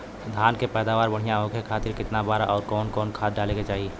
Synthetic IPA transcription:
d̪ʱaːnkepɛːd̪aːʋaːɾbəɽ̤ijãɦõkʰekʰaːt̪ɪɾkɪt̪nabaːɾaʔɔːɾkɔːnkɔːnkʰaːt̪ɖaːleket͡ʃaːɦi

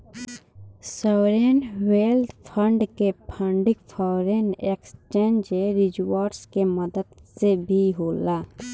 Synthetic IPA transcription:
sɔːɾenweːld̪pʰə̃ɳɖkepʰə̃ɳɖɪkpʰɔːɾenekst͡ʃẽːnd͡ʒeɾɪd͡ʒwaːɾskeməd̪əd̪sebʱiɦoːlaː

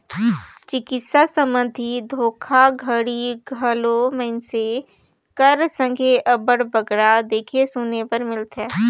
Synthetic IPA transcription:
t͡ʃɪkɪt̪sasəmə̃nd̪ʱid̪ʱoːkʰaɡʱəɽiɡʱəlomə̃ɪnse | kəɾsə̃ŋɡʱeʔəbəɽbəɡɽad̪eːkʰesʊnepəɾmɪlt̪ɦɛ̃ː

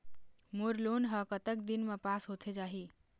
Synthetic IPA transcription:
moɾlonɦəkət̪ək̚d̪inmepasɦot̪ʰed͡ʒaːɦi

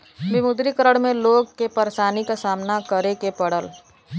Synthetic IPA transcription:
bɪmʊd̪ɾikəɾəɽmẽloːɡkepəɾeʃaːnikasaːmnakəɾekepəɽ̤əl

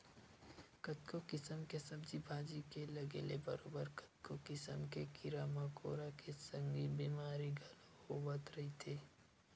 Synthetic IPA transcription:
kɐt̪kokɪsəmkesɐbd͡ʒibʱaːd͡ʒikelɐɡḛːlebɐ̰ɾoːbəɾkɐ̥t̪̚kokɪsə̰mkekɪɾaːmako̰ːɾakesɐ̃ŋɡibiːmaːɾiɡʱɐlohowɐt̪ɾɐɦit̪ʰeː

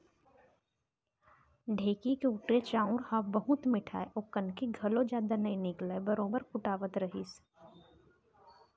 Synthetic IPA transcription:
ɖʱeːkikeʊʈɾet͡ʃãːʊ̃ɾhaːbəɦʊt̪mɪʈʰa̰ːeʔʊkːənkiɡʱɐlõd͡ʒjaːd̪anɐĩnɪklebɐɾoːbəɾkʊʈaːʋət̪ɾɐɦiːs

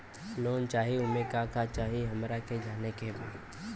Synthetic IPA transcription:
loːnt͡ʃaːɦiʊmẽkakat͡ʃaːɦiɦɐmɾaked͡ʒaːnekebʱiː

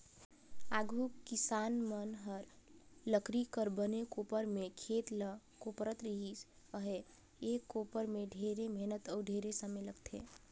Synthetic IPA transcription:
aɡʱukisanmənɦəɾləkɾikəɾbənekopəɾmekʰet̪l | kopɾət̪ɾiɦis | əɦe | ekːopəɾmeɖʱeɾemenət̪ɔːɖʱeɾesəmeləɡt̪ʰḛ

